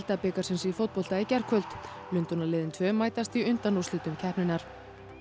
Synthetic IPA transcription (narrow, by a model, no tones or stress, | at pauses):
lt̪apɪkḁsɛmsifowt̪̚pɔl̥t̪aɛcɛr̥kʰœlt̪ | lʏnt̪ɔnalɪːðɪnt̪ʰvœːmaːjt̪ast̪iʏnt̪anuslʏːt̪ʏmcʰɛhpnɪnaɾ̥